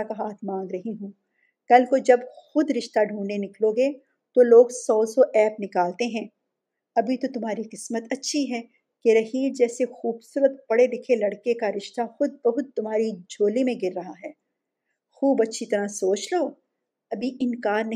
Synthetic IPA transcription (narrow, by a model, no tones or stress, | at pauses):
akaɦaːt̪ʰmãːŋɡɾɐɦiɦũː | kɐlkod͡ʒɐbxʊd̪ɾɪʃt̪aɖʱũːɳenɪkloːɡe | t̪oloːɡsɔːsɔʔɛːpnɪkaːlt̪eɦɛ̃ː | ɐbʱit̪ot̪ʊmɦaːɾiqɪsmət̪ɐtːʃʰiɦɛː | keɾɐɦiːld͡ʒɛːsexuːbsuːɾət̪̚b̥ɐɽedɪkʰelɐɽkekaɾɪʃt̪axʊd̪̚bɐɦʊt̪̚t̪ːʊmɦaːɾid͡ʒʱoːlimẽɡɪɾːɐɦaɦɛː | xuːbɐtːʃʰit̪ɐɾasoːt͡ʃloː | ɐbʱiʔɪnkaːɾnɐ